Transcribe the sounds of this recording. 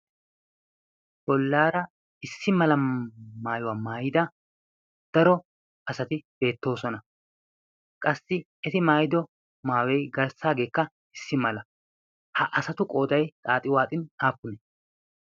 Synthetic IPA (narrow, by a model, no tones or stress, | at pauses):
bɔlːaːɾɐ | ɪsːɪmɐlɐmaːjʊwaːmaːjɪd̪ɐ | d̪̥ɐɾɔ | ɐsɐt̪ɪb̥e̞ːt̪ːo̞ːsɔnɐ | kʼɐsːɪ | ɛt̪ɪmaːjɪd̪ɔ | maːwɛjɡɐɾsaːɡe̞ːkːɐ | ɪsːɪmɐlɐ | hɐʔɐsɐt̪ʊkʼo̞ːd̪ɐjt͡sʼaːt̪ʼɪwaːt̪ʼɪnaːpːʊnɛ